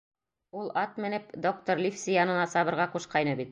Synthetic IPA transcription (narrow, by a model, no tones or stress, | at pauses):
ulˠɑt̪̚mɘ̆nɘpd̪ok̚t̪oɾlʲifsʲijɑnɤ̆nɑsɑβɤ̆ɾʁɑquʃqɑjnɤbit̪̚